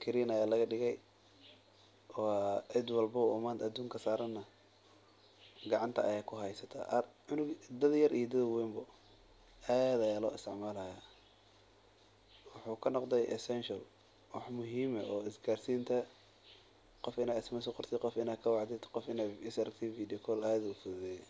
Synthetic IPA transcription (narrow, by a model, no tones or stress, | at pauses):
kʰɪɾiːnɐjaːlɐɣɐɖɪɣɛj | wɑɛd̪wɐlbɐʊmaːnd̪ɐd̪uːŋkʰɐsaːɾɐnːɐ | ɡɑʕɑnt̪ʰɐʔɐjaːkʰʊɦɛjsɐt̪ʰɐ̰ʔʕʊnʊɡd̪ɐd̪jɐɾʔijd̪ɐðwɛmbʊ | aːd̪ɐjaːlɔ̰ːɪst̪ʰɪʕmaːlɐja | wʊħuːkʰɐnɔqd̪ɛjʔɛsɛnʃɐl | wɑħmʊɦiːmɐʔɔːɪsɡaːrsiːnt̪ʰɐ | qɔfɪnaːɪsmɐsɔqɔrt̪ʰɪqɔfɪnaːkʰɐwɑʕd̪ɪd̪qɔfɪnaːɪsɐɾɐk̚t̪ʰiviːd̪ɪkʰɔlaːðʊfʊððɛ